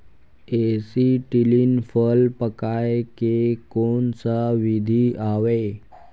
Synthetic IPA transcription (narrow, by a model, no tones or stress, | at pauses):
esiʈilinfəlpəkajkekoɳsəʋid̪ʱiaʋe